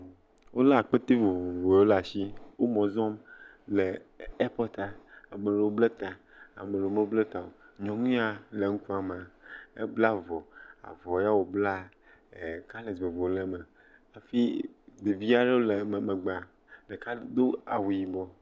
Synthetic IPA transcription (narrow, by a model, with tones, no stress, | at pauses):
wo˦la˦a˨k͡pe˦t̪e˦vo˨vo˨vo˨o˦la˨ʃi˦wo˦mɔ̃˨zɔ̃˦m | le˨ɛ˦pɔ˦t̪a˨a˨mẽ˨le˨wo˦ble˦t̪a˨ | a̰˨me˨le˨wo˦mẽ˦ble˦t̪a˨wo˨ɲɔ̃˨ŋũ˦a˨le˨ŋũ˦ku˦a˨m˨a˨ḛ˦bla˦vɔ˨a̰˨vɔ˨ja˦wo˨bla˦˨ | ka˦le˨ze˨vo˨˦le˦me˨ | a˨fi˦d̪e˨vi˦a˦ɖe˦wo˦le˨m˨me˨ɡ͡ba˨ | ɖe˨ka˦d̪o˦a˨wu˨ji˨bɔ˦